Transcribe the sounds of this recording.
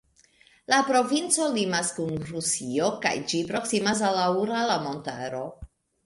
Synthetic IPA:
lapɾo̞vint͡so̞limaskunɾusio̞ka̰jd͡ʒipɾo̞ksimas̬alauɾalamo̞nta̰ɾo̞

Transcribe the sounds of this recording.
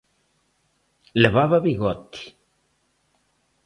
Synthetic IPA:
leβaβaβiɣɔt̪i̥

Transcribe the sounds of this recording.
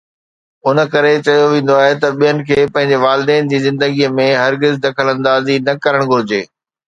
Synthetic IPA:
ʊnə̆kɐɾet͡ɕɐjoʋẽːn̆d̪oaːɦet̪ɐɓijənɪ̆kʰeːpɐ̃ɦɪ̃ɲ̆d͡ʑeʋaːlɪd̪ɛːnɪ̆d͡ʑiːzɪ̃nd̪əɡiəmẽɦɐɾɡɪzd̪ɐkʰəlɐ̃nd̪aːzinɐkɐɾəɽ̃ɡʱʊɾɪd͡ʑeː

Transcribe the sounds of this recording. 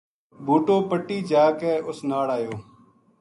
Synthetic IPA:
bʱuːʈoːpəʈːiːd͡ʒaːkeːʔʊsnaːɽaːjoː

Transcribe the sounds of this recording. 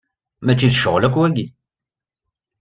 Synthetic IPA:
mæt͡ʃːiðəʃəʁlækːwæɡi

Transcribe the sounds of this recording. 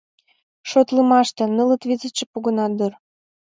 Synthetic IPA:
ʃot̪ləmɑʃt̪ĕnələ̆t̪vizə̆t͡ɕĕpuɣə̆nɑd̪ər

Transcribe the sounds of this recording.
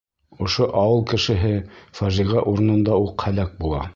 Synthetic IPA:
ŏʃoʔɑwɤlˠkɘ̆ʃɘ̆ɦɘfæʒiʁɑʔuɾ̆nɤ̆nd̪ɑuqhælæk̚bulˠɑ̰

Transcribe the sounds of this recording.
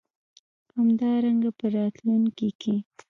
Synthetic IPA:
hamd̪ɑɾaŋɡapəɾɑt̪lunkekʰe

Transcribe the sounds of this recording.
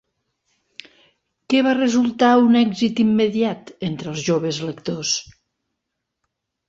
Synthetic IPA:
kɛβarezulˠt̪aunɛɡzit̪imːeðjat̪ent̪ɾəlˠzʒoβ̞ezlekt̪os

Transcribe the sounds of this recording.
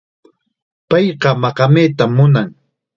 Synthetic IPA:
pɑjqɑmɑqɑmeːt̪amːʊnaŋ

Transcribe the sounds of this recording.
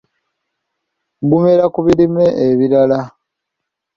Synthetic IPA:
ɡumeɾakuβiɾimeʔːβiɾala

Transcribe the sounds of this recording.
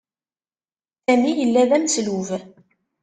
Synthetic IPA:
sæmijəlːæðæmsluv

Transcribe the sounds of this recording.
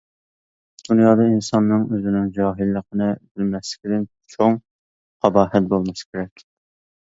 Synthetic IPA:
d̪̥unjɑːd̪ɑinsɑnːɨŋøzɪnɪŋd͡ʒɑːɦɪlːəqʰənɨbɪlmɛslɪ̥kʲid̪ɪn | t͡ʃʰoŋ | qʰɑbɑːɦɛt̪̚bolˠmɑskʲʰeɾɛkʲ

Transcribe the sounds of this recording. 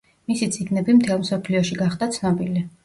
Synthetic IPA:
misit̪sʼiɡnɛbimt̪ʰɛlˠmsɔpʰliɔʃiɡaχd̪at̪sʰnɔbili

